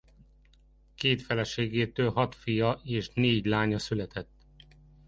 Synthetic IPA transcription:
keːt̪fɛlɛʃeːɡeːt̪øːlɦɒt̪fijɒʔeːʃneːɟlaːɲɒsylɛt̪ɛt̪ː

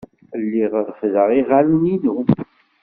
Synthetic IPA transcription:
əlːiʁɾfðəʁiʁalninu

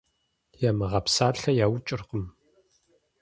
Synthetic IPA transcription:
jamɨʁɐpsaːɬɐjaːwt͡ʃʼɪrqəm

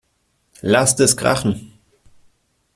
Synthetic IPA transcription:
lastɛsɡ̥ʁa̰χn̩

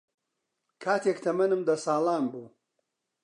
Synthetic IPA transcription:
kʰaːt̪ʰeːkt̪ʰɐmɐnɨmd̪ɐsaːlaːnbuː

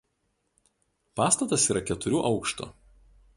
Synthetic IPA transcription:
pɑːst̪ɐt̪ɐsiːɾʔɐkʲɛt̪ʊɾʲuːʔɒʊkʃt̪o̰ː

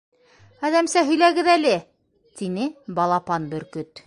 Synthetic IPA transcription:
æðæmsæɦɵ̆jlæɡɘðælɘ | t̪inɘbɑlˠɑpɑnbɵ̆ɾkɵt̪

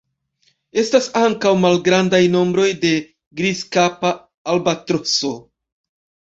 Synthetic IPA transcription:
e̞stasaŋkawmalɡɾandajno̞mbɾo̞jde̞ | ɡɾizkapaː | lbatɾoso̞

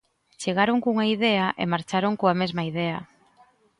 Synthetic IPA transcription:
t͡ʃeɣaɾoŋkuŋaiðɛaʔḛmaɾt͡ʃaɾoŋkoamezmaiðɛɐ

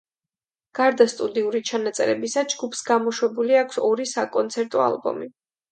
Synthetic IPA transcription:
ɡ̥aɾd̪ast̪ʼud̪iuɾit͡ʃʰanat̪sʼɛ̰ɾɛbisad͡ʒɡupʰsɡamɔʃwɛbuliakʰsɔɾisakʼɔnt̪sʰɛɾt̪ʼɔa̰lˠbɔ̰mi

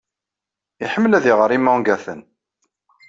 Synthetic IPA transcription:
iħəmːəlæðiʁəɾˤimːæŋɡæθən

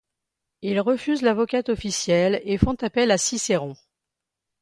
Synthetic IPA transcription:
ilʁəfyzlavɔkat̪ɔfisjɛlefɔ̃t̪apɛlasiseʁɔ̃

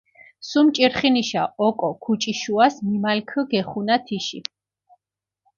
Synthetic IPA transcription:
sumt͡ʃʼiɾχiniʃaɔkʼɔkʰut͡ʃʼiʃuasmimalkʰəɡɛχunat̪ʰiʃi

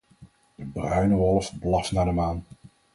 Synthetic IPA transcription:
d̥əbrœɥnəʋɔlˠəfblɑfnaːdəmaːn

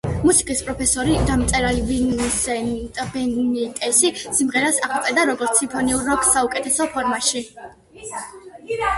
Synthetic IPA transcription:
musi̥kʼispʼɾɔpʰɛsɔɾid̪amt̪sʼɛɾalivinsɛnt̪ʼbɛnnit̪ʼɛsisimʁɛɾasaʁup̪ʼɛd̪aɾɔɡɔɾt̪sʰimpʰɔniuɾːɔksːaukʼɛt̪ʰɛsɔpʰɔɾmaʃi

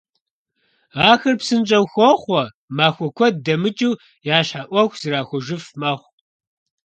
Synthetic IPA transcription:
aːxɐrpsɨnt͡ʃʼɐwxʷɔχʷɔ | maːxʷɔkʷʰɔdɐmɨt͡ʃʼiw | jaːɕħaʔʷɔxʷz̥ɨraːxʷɔʒɪfmɐχʷ

